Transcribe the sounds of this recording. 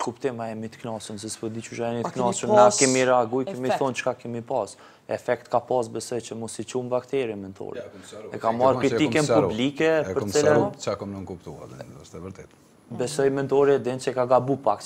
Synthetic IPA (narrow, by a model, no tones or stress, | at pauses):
kupt̪ɪmaɛmit̪ə̥knasəns̬ɛspɔd̪it͡ʃuʃaɛmit̪əknasənakɛmiɾɛaaɡujkɛmiθɔnt͡ʃkakɛmipas | ɛfɛk̚t̪kapasbɛsɔjt͡ʃəmɔsit͡ʃumvakt̪ɛɾɛmɛnt̪ʰɔ̰ɾḭɛkamaɾkɾik̪ikɛnpublikɛpəɾtt͡sɛlɛt͡ʃakɔmnukupt̪ua̰əst̪ɛvəɾt̪ɛt̪ | bɛsɔjmɛnt̪ɔɾɛd̪ɛnsɛkaɡabupaks